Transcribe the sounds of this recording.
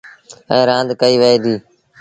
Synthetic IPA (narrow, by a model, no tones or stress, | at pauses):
ɛ̃ːɾãːnd̪kəiːʋəeːd̪iː